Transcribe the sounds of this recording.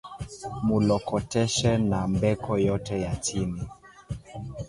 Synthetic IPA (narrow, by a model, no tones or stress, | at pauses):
mulɔkɔtɛʃɛnambɛkʰɔjɔtɛjat͡ʃini